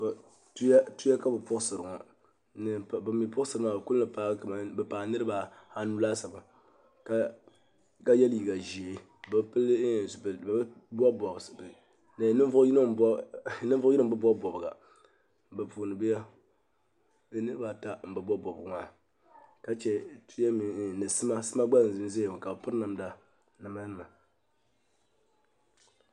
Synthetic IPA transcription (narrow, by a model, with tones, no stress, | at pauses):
b | ta˦tu˦ja˦ka˦bɨ˨pʊ˦ksɨ˨ɾɨ˨ŋɔ˨ | nɨ˨bmi˨pʊ˦sɨ˨ɾɨ˦ma˨bku˦nɨ˨pa˦˨bɛ˨paː˨nɨ˦ɾɨ˦ba˨ha˦nu˦laː˦sa˨ba˨ | ka˦ | ka˦jɛ˦lji˨ɡa˨ʒi˨e˨ | bɨ˨pɨ˦lːbbb | bɔ˦bɔ˨bsb | nɨ˨˦nɨ˦vʊ˦jn˦nɨ˦vi˦nɨ˦bɨ˦bɔ˦bɔ˨bɨ˨ɡa̰˨ | bɨ˨pu˨nɨ˨bɨ˦ja˦ | bɨ˦nɨ˦ɾɨ˦ba˨ta˦m̩˨bɨ˨bɔ˦bɔ˨bɨ˨ɡmaː˨ | ka˦t͡ʃɛ˨tu˦a˦mi˨nɨ˨sɨ˦ma˦sɨ˦ma˦ɡ͡ba˦˨zɨ˦m˦ze˦˨m˨ka˨bpʊ˦ɾna˨m˦da˨ | nɨ˨ma˦nɨ˦ma˨